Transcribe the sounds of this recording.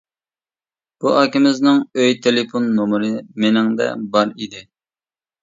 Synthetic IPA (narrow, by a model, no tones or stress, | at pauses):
b̥uʔɑːkʲɪmɪznɪŋøjt̪ʰelɪponːomʊɾɨmɪnɪŋd̪ɛ̰bɑɾid̪ɪ